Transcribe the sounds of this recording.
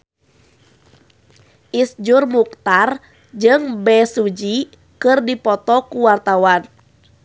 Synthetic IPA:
ʔisd͡ʒurmuk̚t̪ar | d͡ʒɨŋbɛsud͡ʒi | kɨrdipɔt̪ɔkuwart̪awan

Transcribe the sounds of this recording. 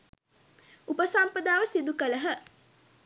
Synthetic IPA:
upəsampəd̪aːʋəsid̪ukələɦə

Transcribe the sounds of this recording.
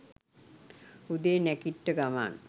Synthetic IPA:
ud̪eːnɛkiʈːəɡama̰ːn

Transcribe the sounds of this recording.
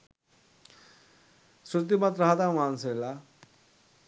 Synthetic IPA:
sut̪̬imat̪ɾaɦad̪ãwansela

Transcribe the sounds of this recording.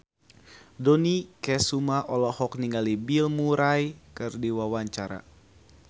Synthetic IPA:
dɔnikɛsumaʔɔlɔhɔk̚niŋɡalibilmuɾajkɨrdiwawaɲt͡ʃaɾa̰

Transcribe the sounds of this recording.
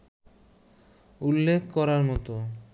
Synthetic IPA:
ulːekʰkɔɾaɾmɔt̪o

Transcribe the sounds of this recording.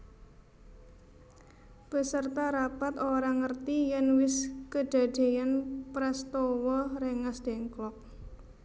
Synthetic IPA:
b̥ə̤sərt̪aɾapat̪oɾaŋərt̪ijɛnwɪskəd̥a̤ɖ̥e̤janpɾɛst̪owɔɾeŋasd̪̥e̤ŋklɔk̚

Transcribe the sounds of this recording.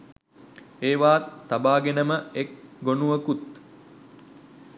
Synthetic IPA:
eːʋaːt̪ːabaːɡenəməek̚ɡonuʋəkut̪

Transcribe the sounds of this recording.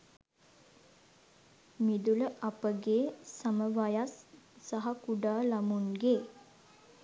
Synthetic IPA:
mid̪uləʔapəɡeːsaməʋajasːaɦakuɖaːlamunɡeː

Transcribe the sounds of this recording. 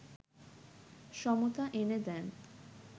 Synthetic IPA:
ʃɔmot̪aʔened̪ɛn

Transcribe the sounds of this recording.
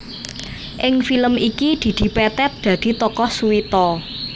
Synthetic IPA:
ʔɪŋfiləmikid̪̥i̤d̪̥i̤pɛt̪ɛt̪̚d̪̥ä̤d̪̥i̤t̪ɔkɔhsuwit̪ɔ

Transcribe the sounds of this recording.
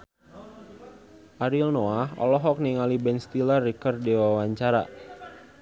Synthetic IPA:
ʔaɾilnoaɦɔ̰lɔɦɔk̚niŋalibɛnst̪ilarikɔrdiwawaɲt͡ʃaɾa̰

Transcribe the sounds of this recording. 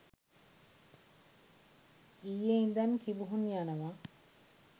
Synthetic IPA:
ijeind̪ankibuɦunijanəʋa

